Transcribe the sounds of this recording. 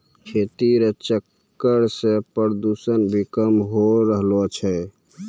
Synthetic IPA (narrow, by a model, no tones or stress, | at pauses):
kʰet̪iɾət͡ʃəkː | əɾsepəɾd̪usənbʱikəmɦoɾəɦlot͡ʃʰɛ